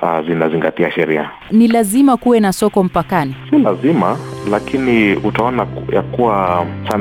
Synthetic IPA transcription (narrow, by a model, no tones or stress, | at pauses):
azinaziŋɡatiaʃɛɾia̰ | nilazimakuwɛnasɔkɔm̩pakanisilazimalakʰiniutaɔnajakuwasan